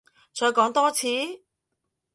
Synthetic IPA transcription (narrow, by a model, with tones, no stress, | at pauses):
t͡ʃɔː˨˧jkɔː˨˥ŋt̪ɔː˥t͡sʰiː˨˥